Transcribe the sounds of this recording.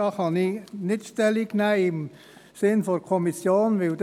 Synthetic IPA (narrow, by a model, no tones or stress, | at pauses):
ɑχɑnɪnɪtʃtɛliɡnæɪɪm | sɪnfɔkʰɔmisjoːnʋɪld